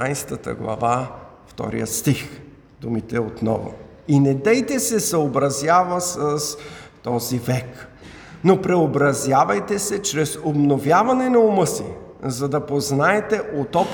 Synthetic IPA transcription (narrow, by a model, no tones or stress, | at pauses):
ajst̪ət̪ə̰ɡlˠɐ̰va | ft̪ɔ̰ɾḭjə̰t̪st̪ix | d̪umit̪ɛot̪nɔ̰vʊ̰ | inɛd̪ɛjt̪ɛsɛsɐobɾɐzjavɐsəst̪ɔzivɛk | nopɾɛobɾɐzjavɐjt̪ɛsɛt͡ʃɾɛsobnovjavɐnɛnɐomɤsḭ | zɐd̪ɐpoznaɛt̪ɛʔot̪ɔp